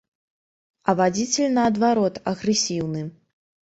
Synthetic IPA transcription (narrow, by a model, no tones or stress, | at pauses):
ɐvad͡zʲit͡sʲelʲnɐːd̪vaɾɔt̪ɐɣɾɛsʲiwnɨ